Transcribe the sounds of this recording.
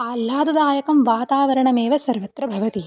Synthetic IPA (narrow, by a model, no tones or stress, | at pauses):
aːlːaːd̪ɐd̪ɐaːjɐkɐmʋaːt̪aːʋɐɾɐɳɐmeːʋɐsɐɾʋɐt̪ɾɐbʱɐʋɐt̪i